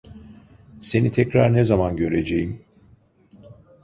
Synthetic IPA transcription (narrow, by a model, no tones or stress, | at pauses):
se̞nit̪ʰɛcɾaɾnezamanɟø̞ɾe̞d͡ʒejim